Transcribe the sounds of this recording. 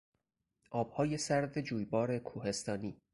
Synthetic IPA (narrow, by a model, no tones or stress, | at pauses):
ʔɒːb̥hɒːje̞sæɾd̪e̞d͡ʒuːjbɒːɾe̞kʰuːhe̞st̪ɒːniː